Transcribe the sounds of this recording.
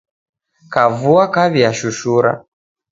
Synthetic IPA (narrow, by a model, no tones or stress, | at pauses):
kavuakaβiaʃuʃuɾa̰